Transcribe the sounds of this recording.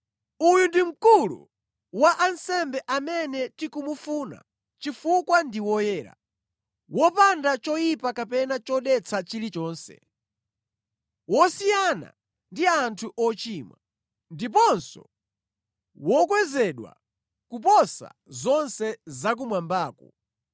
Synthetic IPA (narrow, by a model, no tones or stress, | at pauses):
ujundim̩kulṵ | waʔansɛmbɛʔamɛnɛtikumufuna̰ | t͡ʃifukwandiwɔjɛːɾa̰ | wɔpandat͡ʃɔjipakapɛnat͡ʃɔɗɛt͡sʰat͡ʃilit͡ʃɔːnsɛ̰ | wɔsijana̰ | ndiantʰuʔɔt͡ʃiːmwa̰ | ndip̬ɔnsɔ̰ | wɔkwɛzɛɗwa̰ | kupɔsa̰zɔnsɛzak̬umwambaːkɔ